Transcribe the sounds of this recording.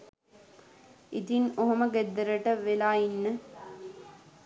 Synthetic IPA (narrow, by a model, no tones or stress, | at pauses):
it̪inoɦoməɡed̪ːəɾəʈəʋelaːinːə